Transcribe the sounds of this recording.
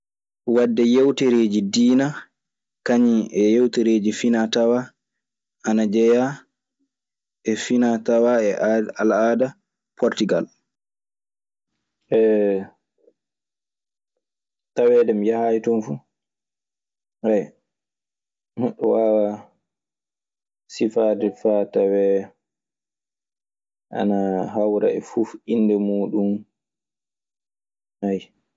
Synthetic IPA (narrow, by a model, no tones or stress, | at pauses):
wadːɛjewtɛɾeːd͡ʒidiːna | kaɲiʔɛjewteɾeːd͡ʒifinatawa | ʔanad͡ʒɛja | ɛfinatawaɛalaːda | pʰɔɾtiɡal | ɛ | tawɛdɛmjahajtɔmfu | haj | nɔɗɔwaa | sifadɛfatawɛ | ʔa̰naɦawɾa̰ɛfufinːdɛmuːɗum | haj